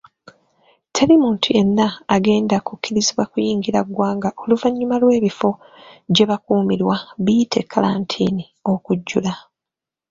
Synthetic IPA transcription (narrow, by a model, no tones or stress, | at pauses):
tʰe̞limuːntʰuje̞nːaːɡe̞ːndakukːiɾiziβwakujiːŋɡiɾaɡwaːŋɡaʔo̞luvaɲːumalwe̞ːβifo̞ | ɟe̞βakuːmiɾwaβitʰe̞kʰːalaːntʰḭːni | o̞kuɟːula